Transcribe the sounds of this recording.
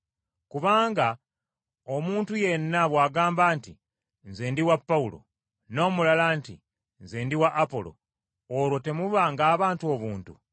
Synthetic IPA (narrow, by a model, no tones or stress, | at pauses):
kuβaːŋɡa | o̞muːntuje̞nːaβwaːɡaːmbantḭ | nzeːndiwapːaulo̞̰ | no̞ːmulalantḭ | nzeːndiwaʔːpo̞̰lo̞̰ | oɾwo̞te̞muβaŋɡaːβaːntuo̞βuːntṵ